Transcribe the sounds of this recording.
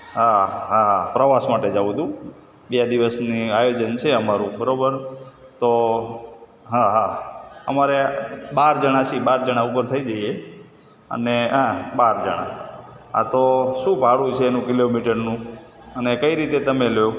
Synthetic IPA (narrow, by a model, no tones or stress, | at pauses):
ɦaɦapɾəʋasmaʈed͡ʒaʋũd̪ũ | bijad̪iʋəsniajod͡ʒənt͡ʃʰeəmaɾũbəɾobəɾ | t̪o | ɦaɦaə̰maɾebaɾd͡ʒəɽ̃at͡ʃʰibaɾd͡ʒəɽ̃aupəɾt̪ʰəid͡ʒəie | ə̰neɦãbaɾd͡ʒəɽ̃a̰ | a̰t̪oʃũbʱaɽũt͡ʃʰeːnũkilomiʈəɾnũ | ənekəiɾit̪et̪əmelo